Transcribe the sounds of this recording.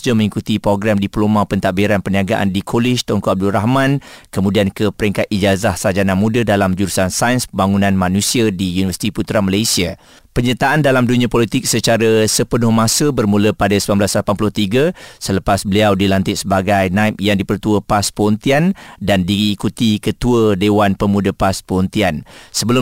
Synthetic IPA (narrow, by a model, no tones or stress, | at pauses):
d͡ʒəmə̃ŋikut̪ipɾoɡɾamdiplomãpənt̪aʔbiɾanpəniaɡaʔa̰ndikʰolɪʃt̪ɔŋkɔab̚dulraɦmãnkəmũdiankəpəɾiŋkat̪̚id͡ʒazahsad͡ʒanãmũdədalamd͡ʒuɾusansajənsəbaŋunãnmãnũsiadijunivərsi̥t̪iput̪ɾamalajsia | pəɲət̪aʔandalamdunĩãpolit̪ɪk̚sət͡ʃaɾəsəpənʊhmãsəbərmũləpadasəmamblaslapanpulʊht̪iɡəsələpasbəliawdilant̪ɪt̪̚səbaɡajnãɪp̚jaŋdipərt̪uəpaspəɔnt̪iandandiːkut̪ikət̪uədewanpəmũdəpaspəɔnt̪iansəbəlʊ